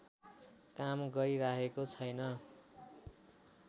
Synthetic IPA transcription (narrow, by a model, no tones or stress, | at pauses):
kamɡʌɾiɾakʰekot͡sʰʌjnʌ